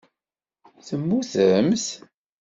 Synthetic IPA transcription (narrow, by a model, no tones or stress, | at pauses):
θəmːuθəms